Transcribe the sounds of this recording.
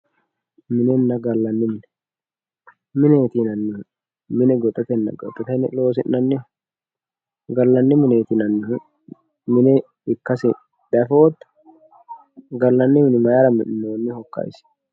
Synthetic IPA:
mɪnɛnːɐɡɐlːɐnːɪmɪnɛ | mɪneːt̪inɐnːɪ | mɪnɛɡɔt̪ʼːɐt̪ɛnːɐ̰ɡɔ̰t̪ʼːɐt̪ɛnɛlo̞ːsɪʔnɐnːɪ | ɡɐlːɐnːɪmɪneːt̪ɪnɐnːɪɦ | mɪnɛ | ɪkːɐsɪ | d̪̥ɐfoɔt̪ːɐ̥ | ɡɐlːɐnːɪmɪnɛmɐjaɾɐmɪnɪnːoːnːɪhɔkːɐ̰js

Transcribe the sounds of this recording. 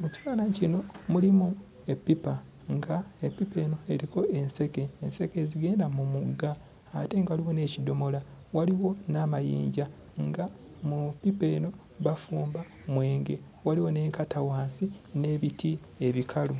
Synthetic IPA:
muci̥faːlacino̞mulimu | epːipa | ŋɡaepːipe̞ːno̞e̞ɾiko̞e̞nse̞ke̞ːnse̞ke̞ziɡe̞ːndamumuɡːaː | te̞ŋɡawaliwo̞ne̞ːcido̞mo̞lawaliwo̞namajḭːɲɟa | ŋɡa | mupːipe̞ːno̞ | βafuːmba | mwe̞ːŋɡe̞̰ | waliwo̞ne̞ːŋkatawaːnsine̞ːβitʰi | eβikʰalu

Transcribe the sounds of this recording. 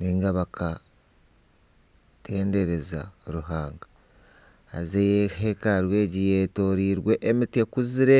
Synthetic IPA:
niːŋɡaβakʰa | tʰe̞ːnde̞ɾe̞zaɾuɦaːŋɡa | a̰zejehekaɾwe̞ːɟijeːto̞ːɾiːɾwe̞ʔːmitekuziɾe̞

